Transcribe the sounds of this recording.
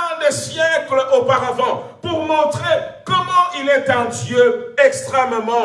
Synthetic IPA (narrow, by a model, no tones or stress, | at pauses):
ɛ̃d̪esjɛkləʔopaʁavɑ̃puʁmɔ̃t̪χekɔmɑ̃ʔilɛt̪ɛ̃d̪jøɛkst̪χɛməmɑ̃